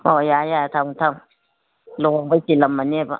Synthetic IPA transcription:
ojajaatamtam | luɣobatilamːaneba̰

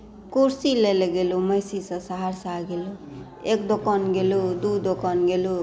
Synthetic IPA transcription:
kuɾsileleɡelumʌjsisʌ̃saɦaɾsaɡelu | ek̚d̪okanɡelud̪ud̪okanɡelu

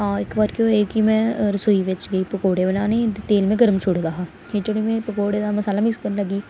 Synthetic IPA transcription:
ɦãːɪkbaːɾkjõeːkimɛ̃ːɾəsoːiːʋɪt͡ʃɡəiːpəkoːɽebənaːnet̪eːlmẽːɡəɾəmt͡ʃʰʊɽɡ̪aːɦaː | ɦet͡ʃoːɽemẽːpəkoːɽed̪aːməsaːlaːmɪkskəɾnləɡiː

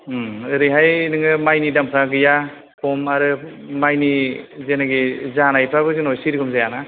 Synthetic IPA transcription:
ɯɾɯɦajnɯŋɯmajnidampʰɾaɡɯja | pʰɔmaɾɯ | majnizenaɡizanajpʰɾabɯɡɯnɔjsiɾiɡɔmzajana

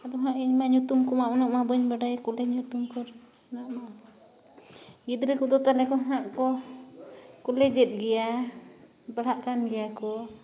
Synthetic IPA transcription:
ad̪ɔɦãʔiɲmaɲut̪umkɔmaʔɔnɔʔmabɔɲbaɖajkulɛɲut̪umkɔɾ | naʔma | ɡid̪ɾɛkud̪ɔt̪alɛkɔɦãʔkɔ | kɔlɛd͡ʒɛt̪̚ˀɡɛja | baɽ̤aʔkanɡɛjakɔ

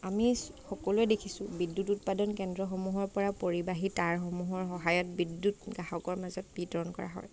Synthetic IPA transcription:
ami | xɔkɔluɛdekʰisʊ̃bidːutut̚padɔnkɛndɹɔxɔmuɦɔɹpɔɹapoɹibaɦitaɹxɔmuɦɔɹxɔɦajɔt̚bidːutɡaɦɔkɔɹmazɔt̚bitɔɹɔnkɔ̰ɹa̰ɦɔ̰j

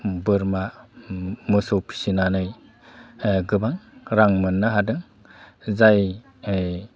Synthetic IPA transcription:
bɯɾma | mɯsɔwpʰi̥sinanɯj | ɡɯbaŋɾaŋmɯnːaɦadɯŋ | zaj

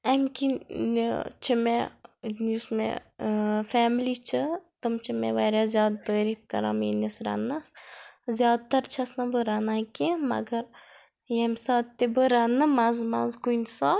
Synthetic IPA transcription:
ɐmkʲint͡ʃʰimḛnismḛ | fɛːmlit͡ʃʰɨt̪ɨmt͡ʃʰimḛʋaːɾʲjazʲjaːd̪̚t̪əːɾipkɐ̰ɾa̰mḭnisɾɐ̰nːaszʲjaːd̪̚t̪ɐɾt͡ʃʰɐsnɐbɨɾanaːkimɐ̰ɡɐɾ | jemsaːt̪ebɨɾanɨmazmaːzkunʲsa

